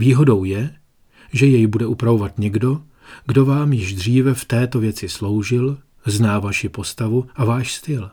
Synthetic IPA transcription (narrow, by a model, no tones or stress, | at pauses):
viːɦo̞do̞wjɛ | ʒɛjɛjbudɛʔupɾavo̞vat̪ɲɛɡdo̞ | ɡdo̞vaːmjɪʒd̪r̝iːvɛft̪ɛːt̪o̞vjɛt͡sɪslo̞wʒɪl | znaːvaʃɪpo̞st̪avuʔavaːʃst̪ɪl